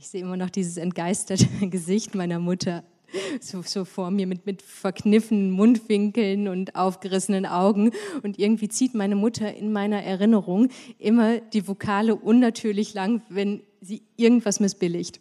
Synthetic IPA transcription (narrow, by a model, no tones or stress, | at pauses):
ɪçz̥eːʔɪmɐnɔχd̥iːzəsɛnt̚ɡ̥aɪstɐtəɡəzɪçtmaɪnɐmʊtʰɐ | z̥oːz̥oːfoːɐmiːɐmɪtmɪt | fɛɐknɪfn̩ənmʊntv̥ɪŋkl̩nʊntʔa̰ʊfɡ̥əʁɪsənənʔaʊɡŋ̩ʊntʔɪɐɡŋ̩tv̥iːt͡siːtmaɪnəmʊtʰɐʔɪ̰nmaɪnɐʔɛɐʁɪnəʁʊŋʔɪmɐd̥iːvokʰaːləʔʊnːatʰyːɐlɪçlaŋvɛn | ziːʔɪɐɡŋ̩tv̥asmɪsb̥ɪlɪçt